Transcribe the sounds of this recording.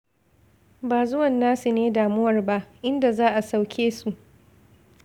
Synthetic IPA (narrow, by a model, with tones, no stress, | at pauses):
baː˨zʊ˦wɐ˨nːaː˦su˨neː˦daː˨mʊ˦wɐ˨rba˦ʔʔɪ˦nda˨zaː˦ʔa˨sa˦wkʲʰeː˦su˨ʔ